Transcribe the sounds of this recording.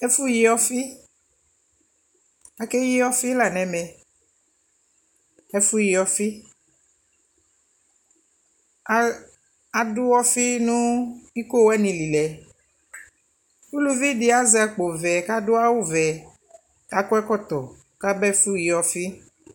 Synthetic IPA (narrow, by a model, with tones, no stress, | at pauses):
ɛ˦fu˦ji˦ɔ˦fi˦ | a˨ke˦ji˦ɔ˦fi˦la˨nɛ̃˨mɛ˨ | ɛ˦fu˦ji˨ɔ˨fi˦ | a˨dʊ˦wɔ˦fi˦nũ˦i˦ko˦wɛ˦nĩ˨li˨lɛ˨ | u˦lu˦vi˦di˦a˦zɛ˨˦a˨k͡po˨vɛ˨ka˦do˦a˦wu˦vɛ˨ | ka˦kɔ˦ɛ˦kɔ˦t̪ɔ˨ | ka˦bɛ˦fu˦ji˨ɔ˨fi˦